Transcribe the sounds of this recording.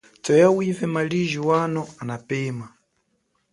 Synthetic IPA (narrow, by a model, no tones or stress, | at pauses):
t͡sɔjawivɛmaliʒiwanɔanapɛːma